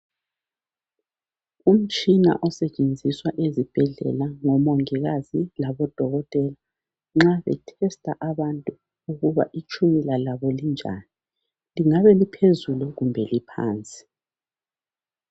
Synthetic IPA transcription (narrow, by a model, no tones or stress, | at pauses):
um̩t͡ʃʼina̰ʔɔsɛt͡ʃʼend͡zʱiswaʔezib̥ʱɛɮɛ̰laŋɔmɔŋɛɣazilaβɔd̥ʱɔɣɔtʼɛla | ŋ͡ǁaβɛ̰tʰɛstʼaʔaβantʼu | uɣuβa̰ʔit͡ʃʰʼumilalaβɔlind͡ʒʱa̰ːni | liŋaβɛlipʰezuluɣumbʱɛlipʰa̰ːnt͡sʼi̥